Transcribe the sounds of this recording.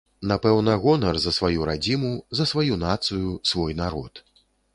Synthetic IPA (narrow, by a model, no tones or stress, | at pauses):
napɛwnɐɣɔnɐrzɐsvajuɾad͡zʲimuzɐsvajunat̪sɨjusvɔjnaɾɔt̪